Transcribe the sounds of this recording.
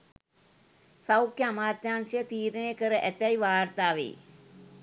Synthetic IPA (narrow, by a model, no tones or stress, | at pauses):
sawkjəamaːt̪jaːnsijət̪iːɾənejəkəɾəʔæt̪æjʋaːrt̪aːʋḛː